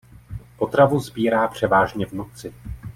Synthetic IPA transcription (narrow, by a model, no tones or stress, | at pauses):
po̞t̪ɾavuzbiːɾaːpr̝̥ɛvaːʒɲɛvnut͡sɪ